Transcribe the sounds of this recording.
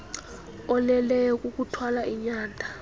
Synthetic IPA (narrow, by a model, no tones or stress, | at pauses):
ɔlɛlɛjɔk̬ʼuk̬ʼutʰwalaʔiɲaːndʱa